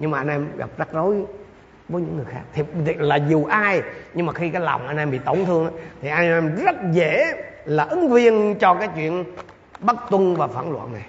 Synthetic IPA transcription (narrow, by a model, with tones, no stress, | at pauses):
ɲɨ˧ŋmaː˨˩ʔa˧nʔɛ˧mɣa̰˨˩p̚za˦˥t̚zo˨˦j | vəː˨˦jɲɨ̰˧˥ŋːɨ˨˩əjxaː˦˥k̚t̪ʰi˨˩t̪laː˨˩zu˨˩ʔaː˧jɲɨ˧ŋmaː˨˩xi˧kaː˨˦jla̰˨˩wŋ͡mʔa˧jnʔɛ˧mɓḭ˧˨t̪o˧˩wŋ͡mt̪ʰɨ˧əŋʔaː˨˦t̪ʰi˨˩ʔa˧jʔɛ˧mzə˦˥t̚zḛ˧˩laː˨˩ʔɨ˨˦ŋvi˧ənt͡ɕɔ˧kaː˨˦jt͡ɕwḭ˧˨ən | ɓa˦˥t̚t̪wə˧ŋvaː˨˩fa̰ː˧˩nlwa̰ː˧˨nna˨˩j